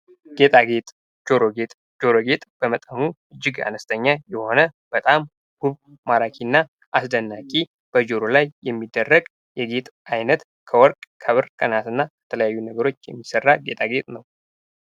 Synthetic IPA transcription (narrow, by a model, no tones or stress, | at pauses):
ɡ̥e̞t̪ʼaɡe̞t̪ʼ | d͡ʒoɾoɡet̪ʼ | d͡ʒo̞ɾoɡe̞t̪ʼb̥əmət̪ʼənuɨd͡ʒːɪɡa̰nəst̪ʰəɲːajɛho̞nəb̥ət̪ʼam | ɡ̥uβ | maɾakʰinːa | ʔasd̪ənːakʼi | b̥əd͡ʒoɾolajːɛmːid̪ːərːəɡ | jɛɡe̞t̪ʼajnət̪ | kʰəwɔɾkʼkʰəβɨɾkʼənat̪ɨnːakət̪ʰələjajːunəɡəɾo̞t͡ʃːjɛmːisərːaɡe̞̰t̪ʼaɡe̞t̪ʼnəw